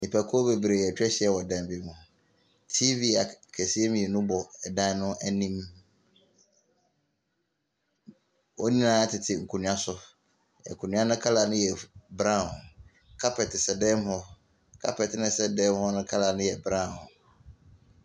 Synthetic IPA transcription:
nĩ˨pʰæ˨kʰɔ˦be˨bɾe˨jɛ˨t͡ɕᶣɛ˦ɕɪ˨˦ɛ˦wɔ˨dɛ̃˨m˨bi˦mũ˨ | tʰi˦vi˦a˨kʰæ˨si˦e˦m̃˨ɛ˨nʊ̃˦bɔ˨dã˦nʊ̃˦æ˨nĩ˦m | wɔ˦nĩ˦nãː˦tʰɪ˨tʰɪ˨ŋ̩˨kʰu˨nũ˨a˦sʊ˦ | ɛ̰˨ŋ˨kʰu˨nũ˦ã˦nʊ̃˦kʰa˦la˨nʊ̃˦jɛ˨bɾã˦˨ | kʰa˦pʰɛ˨tɪ˨sɛ˨dɛ˦mhɔ˦ | kʰa̰˦pʰɛ˨tnɪ̃˦sɛ˦dɛ˦m˦hɔ˦nʊ̃˦kʰa˦la˨nʊ̃˦jɛ˨bɾã˦˨

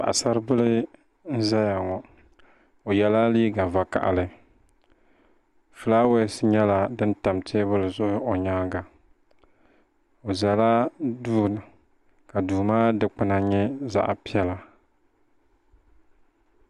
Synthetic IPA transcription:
pa̰˨ʔa˨sa˦ɾɨ˦bɨ˦lɨ˦ | n̩˦za˦ja˨ŋɔ˨ | o˨jɛ˦la˦liː˦ɡa˨va˨ka̰˨ʔa̰˨lɨ˦ | fɨ˨la˦we˦sɲɛ˦la˨dɨ˦nta˨mtʰe˦bʊ˦lɨ˨zʊ˦ʔʊ˦o˨ɲaː˦ɡa˨ | o˨za˨la˦duː˦nɨ˨ | ka˨duː˨maː˦dɨ˦k͡pɨ˨na˨ɲɛ˦za̰˦ʔpi˦ɛ˦la˨

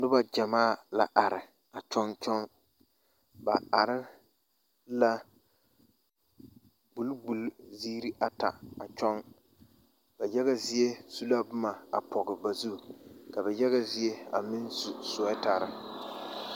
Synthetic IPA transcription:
dʊ˦ba˦d͡ʒa˨maː˦˨la̰˨ʔa˨ɾɪ˨ | a˨t͡ʃɔ˦nt͡ʃɔ˦ŋ | ba˨a˨ɾɪ˦ | la˦ | bu˨lbu˨lzi˦ɾi˦ʔa˨ta̰˨a˨t͡ʃɔ˦ŋ | b̥a˨jɛ˦ɣa˨zɪ˦e˦su˦la˦bʊ˦ma˨a̰˨pʰɔ˨ɣɪ˨ba˨zu˦˨ka˨bɛ˨jɛ˦ɣa˨zɪ˦e˦a̰˨mɪ˦nsu˨sʊ˨˦taː˦ɾɪ˦

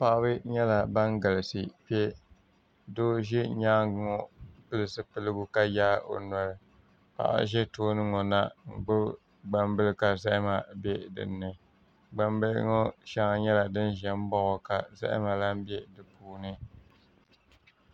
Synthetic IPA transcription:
pa˨ʔa˦bɨ˦ɲɛ˦la˨ba˦ŋ˦ɡa˨lɨ˨sɨ˨pɛ˦ | doː˦ʒɛ˦ɲaː˦˨ŋɔ˦pɨ˦lɨ˨sɨ˦pɨ˦lɨ˦ɡʊ˦ka˦jaː˦o̰˨n˨a˨lɨ˨ | pa̰˨ʔʒɛ˦toː˦nɨ˦ŋɔ˨na˦ŋ̩˨ɡ͡bɨ˦ | ɡ͡ba˨mbɨ˦lɨ˦ka˨za˦ʔɪ˦ma˨bɛ˦dɨ̰˨nːɨ˨ | ɡ͡ba˨m˦bɨ˦lŋɔ˦ʃa˦ŋa˦ɲɛ˦la˨dɨ˦n˦ʒɛ˨m̩˦bɔ˦ʔɔ˨ka˨za̰˦ʔɪ̰˦ma˨la˦m˦bjɛ˦dɨ˨puː˦nɨ˦

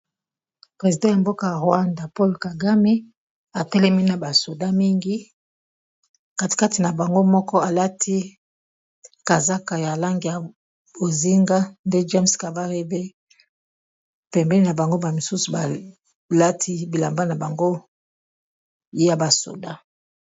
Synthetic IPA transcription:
pʁe˨zi˨dɑ̃˦ja˨mbo˦ka˨ja˨ʁwa˦nda˨po˦lka˨ɡa˦me˦ | a˨tɛ˦lɛ˦mi˦na˨ba˨so˨da˦mi˦ŋɡi˦ | ka˦ti̥˨ka˦ti˨na˨ba˨ŋɡo˦mɔ˦kɔ˦a˨la˦tʰi˦ | ka˨za˦ka˨ja˨la˦ŋɡi˨ja˨ | bo˨zi˦ŋɡa˦nde˦d͡ʒe˦mska˨va˦ʁi˦be˦ | pɛ˨mbɛ˦ni˦na˨ba˨ŋɡo˦ba˨mi˨su˦su˨ba˨ | la˦tʰi˦bi˨la˨mba˦na˨ba˨ŋɡo˦ | je˦ja˨ba˨so̰˨da˦

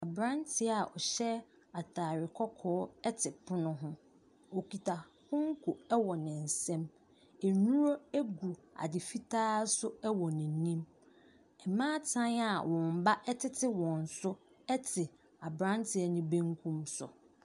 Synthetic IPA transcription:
a˨bɾã˦ntʰɪ˦a˦˨ʔɔ˨ɕɛ˦ | a˨tʰaː˨ɾɪ˨kʰɔ˦kʰɔː˦ɛ˦tʰɪ˨pʰʊ˦nʊ̃˦ɦʊ̃˦ | o˨ki˨tʰa˨ | hʊ̃˦ŋ̩˦kʰʊ˨ɛ˦wɔ˨nɪ̃˨n̩˨sɛ̃˦m | ɛ˨nũ˦ɾo˦æ˦ɡu˨ | a̰˨dɪ˨fi˦tʰaː˦sʊ˦ɛ˦wɔ˨nɪ̃˨n˨nĩ˦m | ɛ˨mãː˦tʰã˦na˦˨wɔ̃˨m̩˨ba˦ʔɛ˦tʰɪ˦tʰɪ˦wɔ̃˨n̩˨sʊ˦ | ɛ˦tʰɪ˨ | a˨bɾã˦n˦tʰɪ˨ɛ˨nɪ̃˦bẽ˦ŋkʰũ˦msʊ̰˨

